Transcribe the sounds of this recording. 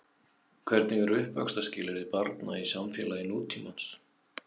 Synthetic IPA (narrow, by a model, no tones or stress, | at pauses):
kʰvɛɾt̪nɪɣɛɾʏhpva̰kst̪ascɪːlɪɾɪðpaɾt̪naisamfjɛlaɪnuːt̪ʰimans